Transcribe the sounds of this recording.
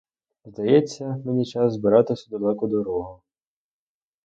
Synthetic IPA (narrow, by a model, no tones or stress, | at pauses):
zd̪ɐjɛt͡sʲːɐmenʲit͡ʃɑszbɪɾɑt̪ɪsʲɐd̪ɔlˠɛkʊd̪ɔɾɔɦʊ